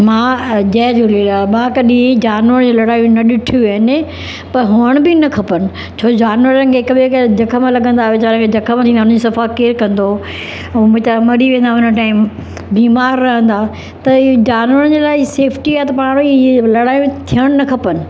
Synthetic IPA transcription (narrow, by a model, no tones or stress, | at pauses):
mãːd͡ʑɛːd͡ʑulilamãːkɐɗĩd͡ʑaːnʋəɾə̃d͡ʑoːlɐɽaːjũnɐɗɪʈʰijuɦɪnɪ | pɐɾɦʊəɽ̃bɪnɐkʰɐpənɪ̆ | t͡ɕʰoːd͡ʑaːnʋəɾənkʰekɐɓekd͡ʑɐkʰəmãlɐɡə̃nd̪aʋɪt͡ɕaːɾə̃ked͡ʑɐkʰəmãt̪ʰĩnaɦʊnəd͡ʑoːsɐfakeːɾkɐ̃nd̪õ | mʊ̃ɪ̃t̪amɐɾiʋẽːnd̪aɦʊnəʈaːɪm | biːmaːɾːɐɦə̃nd̪a | t̪ɐd͡ʑaːnʋəɾə̃d͡ʑeːlaːɪseːfʰʈiat̪ɐpãːɽ̃lɐɽaːjũt̪ʰijəɽ̃nɐkʰɐpənɪ̆